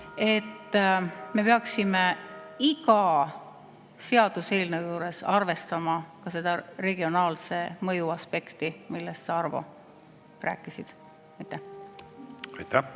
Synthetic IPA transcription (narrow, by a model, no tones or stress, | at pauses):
e̞t̪ːˑme̞peɑksimeiɡɑ | se̞ɑd̪̥use̞ːlnewjuːɾe̞sɑrve̞st̪ɑmɑkɑse̞d̪̥ɑre̞ɡio̞nɑːlse̞mɤjuɑspe̞kt̪imilːest̪sɑɑrvo̰ | ræ̰ːkːˑisid̪̥ | mit̪ːˑe | ɑjt̪ːæ